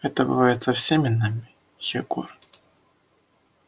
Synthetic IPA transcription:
ɛt̪əbɨ̰vajɪt̪sɐfsʲemʲɪnamʲɪ | xʲɪɡṵr

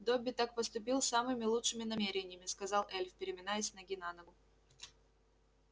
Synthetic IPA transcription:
d̪obʲɪt̪ak̚pəst̪ʊp̬ʲilˠsamɨmʲɪlˠutʂɨmʲɪnɐmʲeɾʲɪnʲɪjəmʲɪskɐzɑlˠɛlʲfpʲɪɾʲɪmʲɪnajɪsʲnɐɡʲɪnanəɡʊ

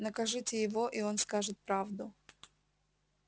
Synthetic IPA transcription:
nəkɐʐɨtʲɪjɪvo̞ʔio̞nskaʐɨt̪̚pɾavd̪ʊ

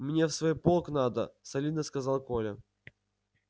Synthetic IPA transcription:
mnʲefsvojpolˠknad̪əsɐlʲid̪nəskɐzalˠkolʲɪ

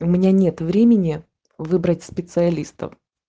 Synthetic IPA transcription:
ʊmʲɪnʲanʲe̞t̪vɾʲemʲɪnʲɪ | vɨbɾətʲspʲɪt̪sɨɐlʲist̪ə̰f

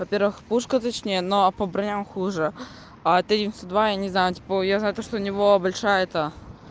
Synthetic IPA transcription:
vɐpʲeɾvɨxpuʂkət̪ɐt͡ɕnʲejənoɐpəbɾɐnʲamxuʐɨ | at̪ɐdʲinʲst̪od̪vajanʲɪznajʊtʲi̥pəjaznajʊt̪oʂt̪onʲɪvobɐlʲʂajəɛt̪ə

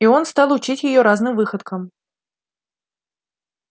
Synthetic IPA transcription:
io̞nst̪ɑlˠʊt͡ɕitʲjɪjo̞ɾaznɨmvɨxət̪kəm

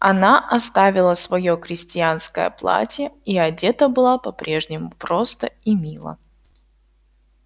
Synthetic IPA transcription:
ɐnaʔɐst̪avʲɪlˠəsvɐjokɾʲɪsʲtʲɪanskəjə̰plˠa̰tʲjəiɐdʲe̞t̪əbɨlˠapɐpɾʲʔe̞ʐnʲɪmʊpɾost̪əimʲilˠə̰

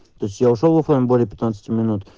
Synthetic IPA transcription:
t̪osʲtʲjaʊʂolˠvəflˠamʲɪbolʲɪəpʲɪt̪nat̪sə̥tʲɪmʲɪnut̪

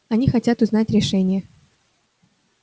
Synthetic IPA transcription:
ɐnʲixɐtʲat̪ʊznatʲɾʲɪʂɛnʲɪjə

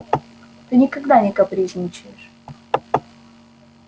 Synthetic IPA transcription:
t̪ɨnʲɪkaɡd̪anʲɪkapɾʲiʐnʲɪt͡ɕɪjɪʂ

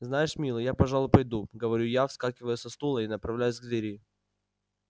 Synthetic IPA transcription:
znajɪʂmʲilˠəjapɐʐalˠʊjpɐjd̪uɡəvɐɾʲujafskakʲɪvəjʊsʲɐst̪ulˠəinəpɾɐvlʲæjʊzʲɡəlʲɪɾʲɪjɪ

